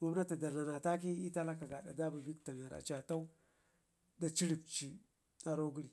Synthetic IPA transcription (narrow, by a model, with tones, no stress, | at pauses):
ma˨m˦na˦ta˨da˨na˨na˨ta˦ki˦i˦ta˦la˦ka˨ɡa˨ɗa̰˨da˦bu˨bi˦kta˨na˨ɾa̰˨t͡ʃa˨ta˦u˦ | da˨t͡ʃi˦ɾi˨k̚t͡ʃi˨ | a˨ɾo˦ɡu˦ɾi˨